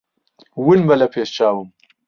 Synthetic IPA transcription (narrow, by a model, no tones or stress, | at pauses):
winbɐlapʰeːst͡ʃaːwum